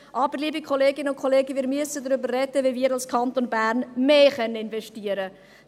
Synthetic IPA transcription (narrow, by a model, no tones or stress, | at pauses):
ʔɑːbəɾliːbikʰɔleːɡɪnəʊnkʰɔleːɡəʋɪːɾmyəsədɾʏbərːɛdəviviːɾɑlskʰɑnt̪onbæːɾnmeːχœnəɪnvɛʃtiəɾə